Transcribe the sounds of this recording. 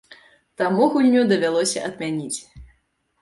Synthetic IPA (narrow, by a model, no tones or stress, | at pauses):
t̪amuɣulʲnʲud̪ɐvʲalˠɔsʲɐʔɐd̪mʲanʲit͡sʲ